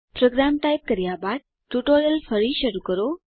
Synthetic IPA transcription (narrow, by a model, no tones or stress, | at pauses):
pɾoɡɾamʈajp̚kəɾjabad̪̚ | ʈuʈoɾjəlfəɾiɕəɾukəɾo